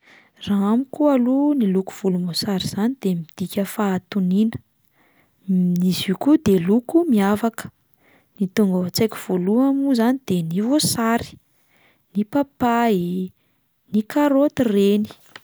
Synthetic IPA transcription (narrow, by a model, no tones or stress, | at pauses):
raamikualuniluku̥v̥ulumosaɾiz̥anid̪̥emid̪̥ikʲəfaːt̪uninə̥ | niziukud̪elukumiavakə̥ | nit̪uŋɡət͡sekʲiv̥oluamuzanid̪̥enivosaɾi̥ | nipapai | nikaɾot̪ireni̥